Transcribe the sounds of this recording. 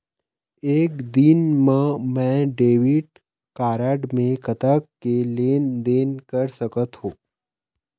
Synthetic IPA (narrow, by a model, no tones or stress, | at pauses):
eːkd̪ɪnmẽmɛ̃ːɖeːʋɪʈ | kaːɾaːɖmẽkɐt̪akːeleːnd̪eːnkəɾsɐkət̪ɦõː